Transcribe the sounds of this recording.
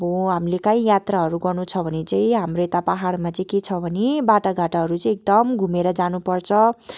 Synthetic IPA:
boɦamlekaj̃jat̪raɦʌɾuɡʌrnut͡sʰʌbʱʌnet͡saĩɦamroet̪apaɦaɽmat͡sʌĩket͡sʰʌbʱʌnebaʈaɡʱaʈaɦʌɾut͡sʌ̃ĩek̚d̪ʌmɡʱumeɾʌd͡zanupʌrt͡sʰʌ

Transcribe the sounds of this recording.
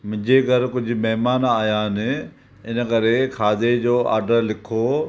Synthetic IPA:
mɪ̃ɲd͡ʑeɡəɾkʊd͡ʑʱʊ̆mɛɦmaːnaːjãːnɪ | ɪnkɐɾekʰaːd̪ed͡ʑoːa̰ːɾɖəɾlɪkʰoː

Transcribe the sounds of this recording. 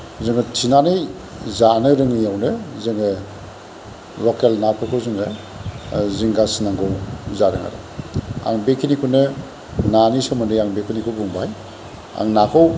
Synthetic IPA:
zɯŋɯtʰinanɯj | zanɯɾɯŋɯjawnɯzɯŋɯ | lɔkelnapʰɯkʰɯwzɯŋɯ | ziŋɡasinaŋɡɯwzaɾɯŋa̰ɾɯ̰ | a̰ŋbekʰinikʰunɯ | nanisɔmɯndɯjaŋbekʰunikʰɯwbuŋbaj | a̰ŋnakʰɯw

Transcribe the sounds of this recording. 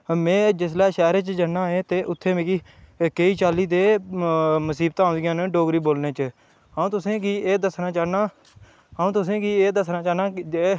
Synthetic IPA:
mẽːd͡ʒɪslɛːʃɛːɾeːt͡ʃd͡ʒənãːɦẽːt̪eːʔʊt̪ʰːeːmẽːkikeiːt͡ʃaːliːd̪eː | məsiːb̚t̪aːõːd̪ɪjãːnɖoːɡɾiːboːlneːt͡ʃə | ɦaːũːt̪ʊsẽːkieːd̪əsnaːt͡ʃaːnaː | aːũːt̪ʊs̬ẽːkieːd̪əsnãːt͡ʃaːnaːe

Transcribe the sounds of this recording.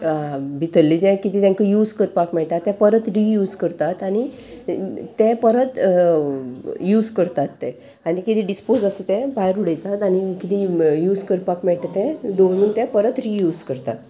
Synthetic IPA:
bʱit̪əlːit̪ɛ̃kit̪iːt̪ãkəjuːd͡zkəɾpakmɛɭʈ̪at̪ːɛ̃pəɾət̪ɾijuːd͡zkəɾt̪at̪aɽ̃i | t̪ɛ̃pəɾət̪ | juːd͡zkəɾt̪at̪ːɛ̃ | aɽ̃ikit̪ĩɖispod͡zəset̪ɛ̃bajɾuɽəjt̪at̪aɽ̃ikit̪ʰĩjuːd͡zkəɾpakmɛɭʈ̪at̪ɛ̃d̪oɽuːnt̪ɛ̃pəɾət̪ɾijuːd͡zkəɾt̪at̪

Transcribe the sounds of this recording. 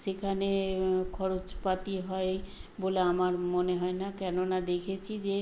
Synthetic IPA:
ʃekʰanekʰɔɾot͡ɕpat̪iɦɔeboleamaɾmoneɦɔenakɛnonad̪ekʰet͡ɕʰid͡ʑe

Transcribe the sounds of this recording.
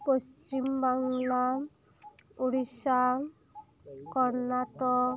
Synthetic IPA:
post͡ʃimbaŋla | uɽisa | kɔɾnaʈɔ

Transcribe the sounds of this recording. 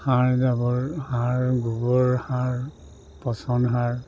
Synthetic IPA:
hãɹdabɔɹhãɹɡubɔɹhãɹ | pɔsɔnɦãɹ

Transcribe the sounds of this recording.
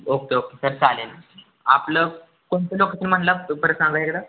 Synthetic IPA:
okeokesəɾt͡salen | aplə | koɳt̪elokət̪nim̤əɳlapəɾəsãŋɡaekɽa

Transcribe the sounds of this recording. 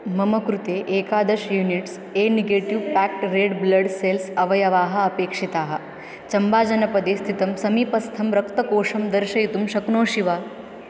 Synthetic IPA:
mɐmɐkɾut̪eːʔeːkaːd̪ɐʃjuːniʈs | eːniɡeːʈiʋpæːk̚ʈɾeːɖblɐɖselsɐʋɐjɐʋaːɦɐ̆ɐpeːkʂit̪aːɦɐ̆ | t͡ʃɐmbaːd͡ʒɐnɐpɐd̪est̪ʰit̪ɐmsɐmiːpɐst̪ʰɐmɾɐkt̪ɐkoːʂɐmd̪ɐɾʃɐjit̪umʃɐknoːʃiʋaː

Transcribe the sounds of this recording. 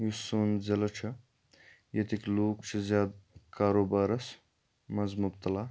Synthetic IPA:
jusoːnd͡zɐlɐt͡ʃʰɐ | jɐt̪ikloːkt͡ʃʰizjaːd̪kaːɾoːbaːɾɐs | mɐzmʊb̚t̪ɐlaː

